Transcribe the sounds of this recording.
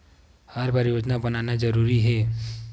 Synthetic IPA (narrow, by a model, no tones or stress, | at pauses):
haɾbʱaːɾjoːd͡ʒnabɐnaːnad͡ʒɐɾuːɾiɦɛː